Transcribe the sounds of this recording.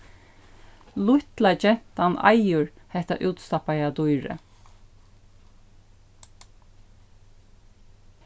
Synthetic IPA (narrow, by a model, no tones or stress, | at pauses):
lʊht̪lat͡ʃɛn̥t̪ana̰jʊɹ | hɛht̪a̰ʔʉːt̪st̪apajad̪ujɹə̰